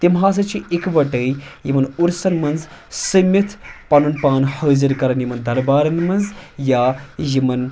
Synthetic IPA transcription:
t̪imɦãːs̬ɐt͡ʃʰiikʋɐʈəjjimɐnuɾsɐnmɐnz | səmɐt̪ʰpɐnunpaːnhɐːzɐɾkɐɾɐnjimɐnd̪ɐɾbaːɾɐnmɐnzjaːjimɐn

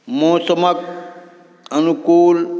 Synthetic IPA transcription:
moːsəmək̚ | ɐnukuːl

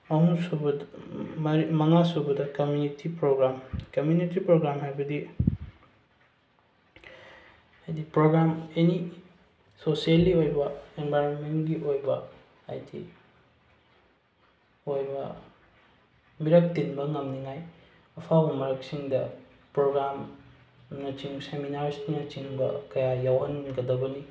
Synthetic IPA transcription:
ɐɦuŋsub | mɐŋasubɐdɐkɐmjunitipɾoɡɾamkɐmjunitipɾoɡɾamhajbɐdi | ajdipɾoɡɾameni | sosieliojbɐenbʱajɾonmenɡiʔojbɐ | a̰jdḭ | ojbɐ̰ | miɾɐk̚tinbɐŋɐmniŋaj | ɐpʰawbɐmɐɾɐk̚siŋdɐ | pɾoɡɾam | nɐt͡ʃiŋseminaɾsnɐt͡ʃiŋbɐkɐjajawɦɐnɡɐdɐbɐni

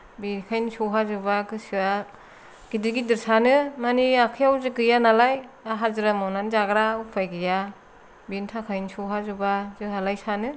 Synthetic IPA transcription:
bikʰajnisuwɦazubakɯsɯa | ɡ̥idiɡidɯɾsanɯmaniakʰɯjawzɯɡɯjanalajaɦazɯɾamɔnanzaɡɾaupʰajɡɯja | bintʰakʰajnsuwɦazubazɯɦalajsanɯ

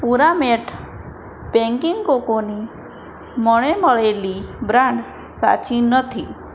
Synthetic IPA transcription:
puɾameʈʰ | peŋkiŋkokoni | mɔɭ̃emɔɭelibɾaɳɖ | sa̰t͡ʃinɔt̪ʰi

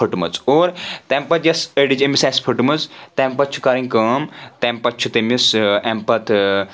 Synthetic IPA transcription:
ɐʈumɐ̰t͡soːɾt̪empɐt̪jɐsəɖid͡ʒemisaspʰɐʈumɐt͡st̪empɐt͡ʃʰu̥kaɾiŋʲkɐːmt̪empɐt͡ʃʰut̪emisempɐt̪ʰ

